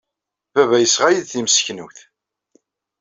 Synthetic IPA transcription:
vævæjəsʁajiðθimsçnuθ

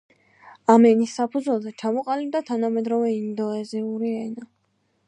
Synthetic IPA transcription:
amɛnisːapʰud̪zwɛlˠzɛt͡ʃʰamɔqʼalib̚d̪at̪ʰanamɛd̪ɾɔvɛind̪ɔɛziuɾiɛna

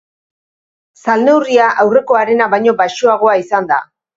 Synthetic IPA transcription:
salne̞wriaʔawre̞ko̞aɾe̞naβajɲo̞baʃoaɣ̞o̞aisand̪a̰

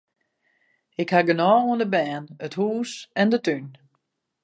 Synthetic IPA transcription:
ɪkhaɡənɔːwəndəbɛːnəthuːsɛndətyn

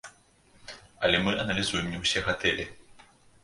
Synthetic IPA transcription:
ɐlʲɛmɨʔɐnɐlʲizujɛmnʲɛwsʲɛɣat̪ɛlʲɛ

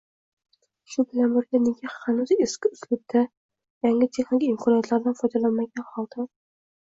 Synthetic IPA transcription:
ʃʊbɪlanbɪɾɡʲaneɡʲahanuzeskʲɪʊslɪk̚ʲd̪ʰa | jaŋɪt̪ʰe̞χnɪkʲiɪmkʰɒnjat̪laɾd̪anfɒjd̪alanmaɡʲanhɒlˠd̪ɪ

